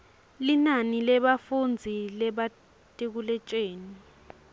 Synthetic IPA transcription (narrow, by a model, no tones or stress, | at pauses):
linanilɛɓafund͡zʱilɛɓa | tʼek̬ulɛt͡ʃʼeːni